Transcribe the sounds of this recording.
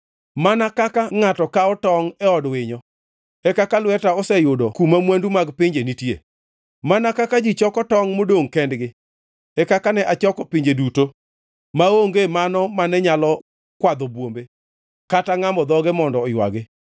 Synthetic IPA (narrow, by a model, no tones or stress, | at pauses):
manakakaŋatɔkaɔtɔŋɛɔdwɪɲɔ | ɛkakalwɛtaɔsɛjʊdɔkumamwandumaɡpɪɲd͡ʒenitjḛ | manakakad͡ʒit͡ʃɔkɔtɔŋmodoŋkɛndɡɪ | ɛkakanɛʔat͡ʃɔkɔpɪɲd͡ʒeduto | maoŋɡemanɔmanɛɲalɔ | kwad̪ɔbwombe | kataŋambɔd̪ɔɡemɔndɔːjwa̰ɡɪ